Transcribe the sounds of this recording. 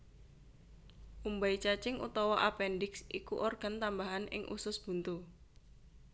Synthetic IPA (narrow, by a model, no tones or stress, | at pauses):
ʔumbait͡ʃat͡ʃɪŋʔṵt̪ɔwɔʔapɛndɪksikuʔorɡ̥a̤nt̪ambaɦanɪ̰ŋʔṵsʊsb̥ṳnt̪u